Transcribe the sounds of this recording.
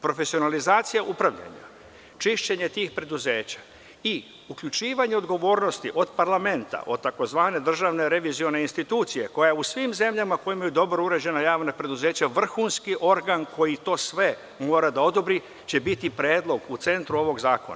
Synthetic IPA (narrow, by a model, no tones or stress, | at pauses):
pɾo̞fe̞sio̞nalizaːt̪sijaʔupɾaʋʎa̰ɲa̰ | t͡ʃiʃt͡ɕe̞ɲe̞t̪iːxpɾe̞d̪uzeːt͡ɕḁ | i | ukʎʲut͡ʃiːʋaɲe̞o̞d̪ɡo̞ʋo̞ːɾno̞st̪ḭʔo̞d̪paɾlˠame̞nt̪a̰ʔo̞d̪̚t̪ːako̞zʋaːne̞d̪r̩ʒaʋneɾe̞ʋizio̞ne̞inst̪it̪uːt̪sije̞ko̞jausʋimze̞mʎamako̞jimajud̪o̞bɾouɾe̞d͡ʑe̞najaːʋnapɾe̞d̪uze̞ːt͡ɕaʋr̩xuːnskiʔo̞ɾɡanko̞jit̪o̞ːsʋe̞ | mo̞ːɾad̪ao̞d̪obɾi | t͡ɕe̞bit̪ipɾe̞ːd̪lˠo̞ɡut̪se̞nt̪ɾuo̞ʋo̞ɡzaːko̞̰na̰